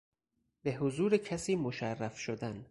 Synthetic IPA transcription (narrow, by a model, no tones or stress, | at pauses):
beɦozuːɾecʰæsiːmoʃærːæfʃod̪æn